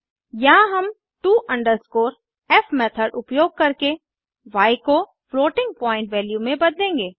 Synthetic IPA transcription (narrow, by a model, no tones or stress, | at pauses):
jaɦɐm | ʈuːʔɐ̃ɳɖəɾskoːɾ | ɛːfmɛːt̪ʰəɾɖʊpjoːɡ̚kɐɾke | ʋaːiko | floːʈɪ̃ŋɡ̚pɔːɪ̃ɳʈʋɛːljumẽbɐd̪lẽːŋɡeː